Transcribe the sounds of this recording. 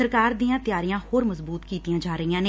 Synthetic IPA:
əɾkaːɾd̪iːjãːt̪ɪjaːɾijãːhoːɾməzbuːt̪kiːt̪ijãːd͡ʒaːɾəijãːneː

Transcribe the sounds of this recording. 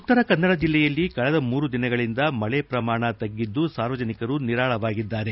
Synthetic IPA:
ut̪ːɐɾɐkɐnːɐɽɐd͡ʒilːɛjɐlːikɐɭɛd̪ɐmuːɾud̪inɐɡɐɭind̪ɐmɐɭɛpɾɐmaːɳɐt̪ɐɡːid̪ːusaːɾʋɐd͡ʒɐnikɐɾuniɾaːɭɐʋaːɡid̪ːaːɾe̞

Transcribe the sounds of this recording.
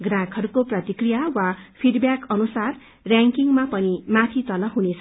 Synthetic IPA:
ɡrãkɦʌɾukoprʌt̪ikrijawapʰiɖbjakʌnusar | rjaŋkiŋmapʌnimat̪ʰit̪ʌlʌɦunet͡sʰʌ

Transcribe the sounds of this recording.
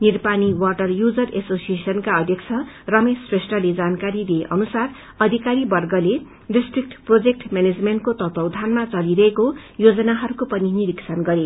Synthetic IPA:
nirpaniwʌrʈʌrjud͡zʌresosiesʌnkaʌd̪ʱjʌk̚t͡sʰʌ | rʌmesresʈʌled͡zankaɾid̪eeʔʌnusar | ʌd̪ʱikaɾibʌrɡʌle | ɖisʈrik̚ʈprod͡zek̚ʈmaned͡zmeɳʈkot̪ʌt̪ʌwd̪ʱanmat͡sʌliɾʌɦeko | jod͡zʌnaɦʌɾukopʌniniɾiksʰʌnɡʌɾe

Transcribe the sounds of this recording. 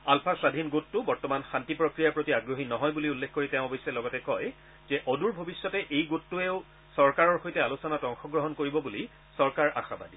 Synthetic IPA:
alpʰasadʱinɡotːʊbɔɹtɔmanxantipɹokɹijapɹotiaɡɹoɦinɔɦɔjbuliulːexkoɹitɛʊ̃bojsɛlɔɡɔtɛkɔj | zɛʔɔduɹbʱobisːɔtɛʔejɡotːuɛʊ | sɔɹkaɹɔɹxojtɛalusɔnatɔŋxɔɡɹɔɦɔnkoɹibɔbuli | sɔɹkaɹʔa̰xaba̰di

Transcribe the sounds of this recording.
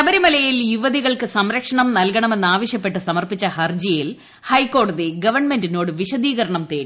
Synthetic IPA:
ɐbɐɾimɐlɐjiljuʋɐðiɣɐɭkɨsɐmɾɐkʂɐɳɐmnɐlkɐɳɐme̞nːaːʋɐɕjɐpːe̞ʈːɨsɐmɐrpit͡ɕːɐhɐrd͡ʑijil | hɐjkːo̞ːɽɐðiɡɐʋɐrɳme̞ndino̞ːɽɨʋiɕɐd̪iːɣɐɾɐɳɐmt̪eːɾi

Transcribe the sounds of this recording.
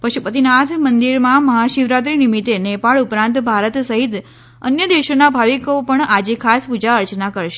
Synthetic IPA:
pəʃupət̪inat̪ʰmənd̪iɾmãməɦaʃiʋɾat̪̬ɾinimit̪enepaɭupɾãnt̪bʱaɾət̪səɦit̪ | ə̰njəd̪eʃonabʱaʋikopəɳad͡ʒekʰaspud͡ʒaəɾt͡ʃnakəɾʃe

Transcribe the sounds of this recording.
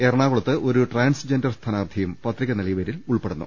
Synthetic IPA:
erɐɳaːɣoɭɐt̪ːɨʔo̞ɾuʈraːnsd͡ʑe̞ndɐrst̪ʰɐnaːrd̪ʱijumpɐt̪ːrikʲːɐnɐlɐjʋɐɾiluɭpeɽunːṵ

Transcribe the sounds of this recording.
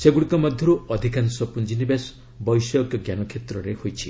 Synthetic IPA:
seɡuɽikɔmɔd̪ʱjɔɾuɔd̪ʱikansɔpund͡ʒinibes | bɔjsɔɔkjɔɡjanɔkʰet̪ɾɔɾehojt͡ʃʰi

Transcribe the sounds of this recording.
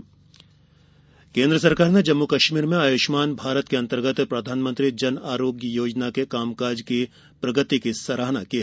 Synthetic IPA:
kẽːnd̪ɾəsɐɾkaːɾned͡ʒɐmːukɐʃmiːɾmẽaːjoːʃmaːnbʱaːɾət̪keɐ̃nt̪əɾɡət̪pɾɐd̪ʱaːnmə̃nt̪ɾid͡ʒɐnaːɾoːɡjəjoːd͡ʒnakekaːmkaːɾd͡ʒki | pɾɐɡət̪ikisɐɾaːnakiɦe

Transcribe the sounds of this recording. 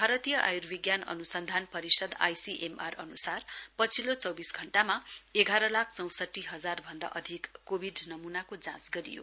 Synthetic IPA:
bʱaɾʌt̪ijʌʔa̰jurbiɡjanʌ̰nusʌnd̪ʱanpʌɾisʌd̪a̰jsiʔemarʌnusarpʌt͡sʰilot͡sʌwbisɡʱʌɳʈamaeɡʱaɾʌlakʰt͡sʌw̃sʌʈːiɦʌd͡zarbʱʌnd̪a̰ʔʌd̪ʱikːobʱiɖnʌmunakod͡zãsɡʌɾḭjo̰

